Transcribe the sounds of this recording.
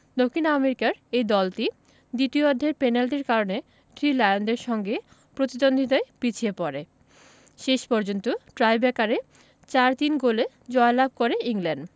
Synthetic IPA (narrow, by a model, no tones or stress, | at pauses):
d̪okʰːinameɾikaɾejd̪ɔlʈi | d̪it̪iood̪ʱːeɾpɛnalʈiɾkaɾone | t̪ɾilajond̪eɾʃɔŋɡe | pɾot̪id̪ond̪ʱit̪aepit͡ɕʰiepɔɾe | ʃeʃpɔɾd͡ʑont̪oʈɾajbɛkaɾe | t͡ɕaɾt̪inɡole | d͡ʑɔelab̚ʱkoɾeiŋlɛɳɖ